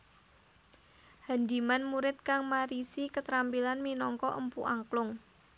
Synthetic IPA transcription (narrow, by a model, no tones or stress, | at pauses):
hand̪i̤manmuɾɪt̪̚kaŋmaɾisikət̪ɾampilanminɔŋkɔʔəmpuʔaŋklʊŋ